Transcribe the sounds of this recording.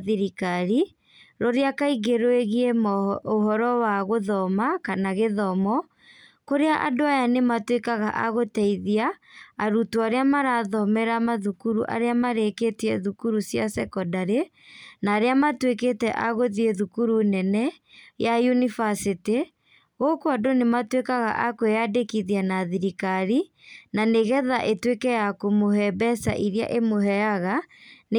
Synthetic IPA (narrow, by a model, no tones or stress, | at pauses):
ðiɾikaɾi | ɾoɾeakaiɣeɾoeɣiemoɦɔɾɔwaɣoðɔmakanaɣeðɔmɔ | koɾeaʔa̰doajanematwekaɣaʔa̰ɣotɛiðiaːɾutuaɾeamaɾaːðɔmɛɾamaðukuɾṵʔa̰ɾeamaɾeketiɛðukuɾusjasɛkɔdaɾe | naːɾeamatweketɛ̰ʔaɣoðieðukuɾunɛnɛ | jajunifasite | ɣokoadonematwekaɣa̰ʔakoeadekiðianaðiɾikaɾi | naneɣɛðaʔetwekɛjakomoɦɛbɛsa̰ʔiɾea̰ʔemoɦɛaɣan